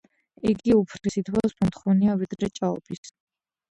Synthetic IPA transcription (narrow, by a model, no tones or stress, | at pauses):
iɡiupʰɾisit̪ʰwasmɔmt̪ʰχɔniavid̪ɾɛt͡ʃʼaɔ̰pʰis